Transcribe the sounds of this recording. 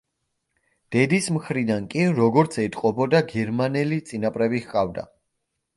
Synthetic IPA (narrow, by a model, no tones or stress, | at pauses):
d̪̥ɛd̪ismχɾid̪ankʼiɾɔɡɔɾt̪sʰɛt̪ʼqʼɔbɔd̪aɡɛɾmanɛlit̪sʼinapʼɾɛbihkʼavd̪a̰